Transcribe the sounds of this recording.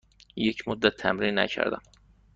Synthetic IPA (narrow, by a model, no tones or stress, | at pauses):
jecʰmʊd̪ːæt̪ʰːæmɾinːæ̰cʰæ̰ɾd̪æ̰m